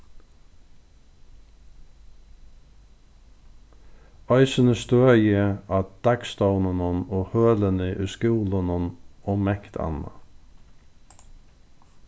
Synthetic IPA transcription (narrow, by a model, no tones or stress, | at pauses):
ɑʏsənəst̪øːjəɑd̪̥ækst̪əʊnənɔnoːhøːlənəʔʉːskʉːlənənoːmɛkt̪ʰɑ̰nɑ̰